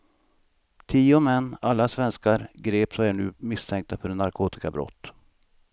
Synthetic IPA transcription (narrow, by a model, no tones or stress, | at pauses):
t̪ʰiːʊmɛnːalːasvɛnskaɾɡɾeːpsɔmæɳʉ̟ːmɪst̪ʰɛŋk̚t̪afœɖɛnaɾkʰuːt̪ɪ̥kabɾɔ̰t̪ː